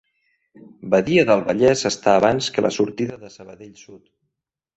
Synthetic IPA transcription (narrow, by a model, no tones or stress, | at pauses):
bəðiəðəlˠβəʎɛzəst̪aːβanskəlʔə̰suɾt̪iðəðəsəβəðeʎsut̪